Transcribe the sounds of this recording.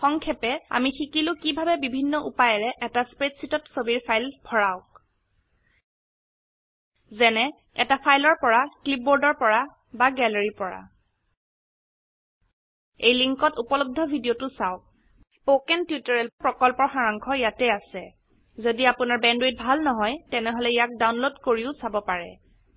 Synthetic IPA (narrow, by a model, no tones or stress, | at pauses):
xɔŋkʰɛpɛa̰mixikilʊ̃kibʱabɛbibʱinːɔʔṵpajɛɹɛʔɛtaspɹetsitɔtsobiɹpʰajlbʱɔɹaʊk | zɛnɛ | ɛ̰tapʰajlɔɹpɔɹaklip̚boɹdɔɹpɔɹa | baɡɛleɹipɔɹa̰ | ejliŋkɔtupɔlɔb̚dʱɔbʱidijotʊsaʊk̚ | spokɛntjutɔɹɛlpɹɔkɔlpɔxaɹaŋkʰɔjatɛasɛ | zodiapʊnaɹbɛndwet̚bʱalnɔɦɔjtɛnɛɦɔlɛjak̚dawnlodkoɹiʊsabɔpaɹɛ̰